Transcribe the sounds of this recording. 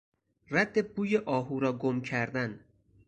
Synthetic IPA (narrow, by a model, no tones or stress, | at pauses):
ræd̪ːe̞buːjeʔɒːɦuːɾɒːɡomcʰæɾd̪æn